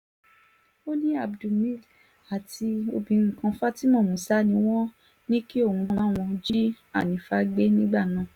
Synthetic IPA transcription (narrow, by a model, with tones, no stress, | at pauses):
o˦nĩ˦a˨bdu˨mĩ˦˨d | a˨ti˧o˧bĩ˧ŋ̩˨kã˧fa˦ti˦mɔ̃˦˨mũ˨sa˦nĩ˧w̃ɔ̃˦ | nĩ˦ki˦o˦˨ũ˧ɔ̃˦˨˦w̃ɔ̃˧d͡ʒi˦ | a̰˦˨nĩ˨˦fa˧ɡ͡be˦nĩ˦ɡ͡ba˦˨nã˦˨